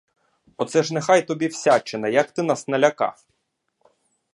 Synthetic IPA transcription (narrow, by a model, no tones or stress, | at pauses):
ɔt̪sɛʒnexɑjt̪ɔbʲiwsʲat͡ʃenɛjɐkt̪ɪnɑsnɐlʲɐkɑ̰f